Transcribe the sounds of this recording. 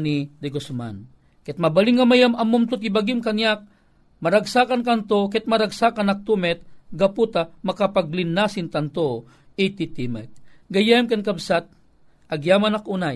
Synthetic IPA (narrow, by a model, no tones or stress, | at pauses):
nid̪ɛɡosma̰n | kɛt̪̚mɐbaliŋːamajamɐmːumt̪ut̪ibaɡimkanjak̚ | mɐɾaɡsakankant̪okɛt̪̚mɐɾaɡsakanak̚t̪umɛt̪̚ɡaput̪amɐkapaɡlɪnːasɪnt̪ant̪o | it̪it̪imɛt̪̚ɡɐjɛmkankabsat̪̚ | ʔɐɡjamanakʔunaj